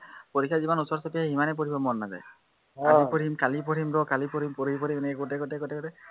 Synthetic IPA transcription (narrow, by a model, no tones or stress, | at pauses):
poɹikʰːjazimanusɔɹsɔpiɛɦimanɛp̬ɔɹibɔmɔnːaza̰j | kalipɔɹimkalipɔɹimɾɔkalipɔɹimpɔɹipɔɹimenɛkɛɡotɛɡɔtɛɡɔtɛɡɔtɛ